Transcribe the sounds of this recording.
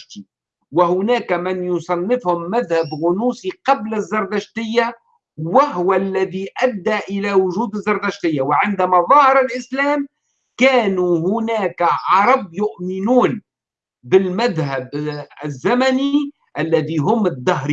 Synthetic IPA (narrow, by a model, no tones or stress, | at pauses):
t̪i | wɪhʊnæːkmɪnjʊsˤɑnːɪfhʊmːæðhæbɣʊnuːsiqɑblɪzːɑɾˤd̪aʃt̪ɪjːa | wɪɦʊwælːæðiʔæd̪ːæʔɪlæwʊʒuːd̪ɪzːɑɾˤd̪aʃt̪ɪjːawɪʕɪnd̪æmæðˤɑhɑɾˤɪlʔɪslæːm | kæːnuɦʊnæːkʕɑɾˤɑb̚jʊʔmɪnuːn | bɪlmæðɦæbɪzːamæni | ʔælːæðiɦʊmːɪd̪ːɑɦɾ